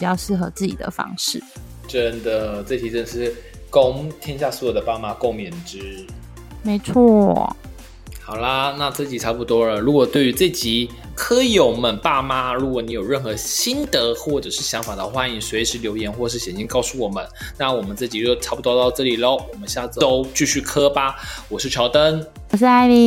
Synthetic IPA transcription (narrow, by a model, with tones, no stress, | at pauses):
pi˨˩t͡ɕjɑ˥˧ʊʂɻ̩˥˩xɤ˧˥t͡sɹ̩˥˩t͡ɕḭ˨˩d̪ə̰˨˩fɑ̰˥ŋʂɻ̩˥˩ | ʈ͡ʂə˥nd̪ə˨t͡sɤ˥˩t͡ɕʰi˧˥ʈ͡ʂə˥˩ʂɻ̩˥˩ | ko˥ŋt̪ʰjɛ˥nɕ̬ja˥˩swɔ˧˥jo˨˩d̪ə˦pa˥˧ma˧˥ko˥˩ʊmjɛ˨˩nʈ͡ʂɻ̩˥ | me˧˥ɪt͡sʰɔ˥˩ | xɑ˨˩ʊlɐ˦na˥˧t͡s̩˥˩t͡ɕi˨˩ʈ͡ʂʰa˥pu˧t̪wɔ˥lə˨ɻu˧˥kwɔ˨˩t̪we˥˩ɪy˧˥t͡sɤ˥˩t͡ɕi˧˥ | kʰɤ˥jo˨˩ʊmə˨˦npa˥˩ma˧˥ɻu˧˥kwɔ˧˩ni˧˥jo˨˩ʊɻə˥˩nxɤ˧˥ɕi˥nd̪ə˨˦xwɔ˥˩ʈ͡ʂɤ˨˩ʂɻ̩˥˩ɕjɑ˧˥ŋfa˨˩d̪ə̰˧xwa˥ni˧˥ŋswe˧˥ɪʂɻ̩˧˥ljo˧˥ʊjɛ˧˥nxwɔ˥˧ʂɻ̩˥˩ɕjɛ˨˩nɕi˥ŋkɑ˥˧ʊsu˥˩wɔ˨˩mə̰˦nna˥˩wɔ˨˩mə˦nt͡s̩˥˩t͡ɕi˨˩ɻʈ͡ʂʰa˥pu˧t̪wɔ˥˧t̪ɑ˥˧ʊʈ͡ʂɤ˥˩li˨˩lə˦wɔ˨˩mə˦nɕja˥˩t͡so˥ʊt͡ɕy˥˧ɕy˥˩kʰɤ˥ba˨˩wɔ˨˩ʂɻ̩˥˩t͡ɕʰjɑ˧˥ʊt̪ə˥ŋ˨˩ | ʂ̬ɻ̩˥a˥˩ɪi˧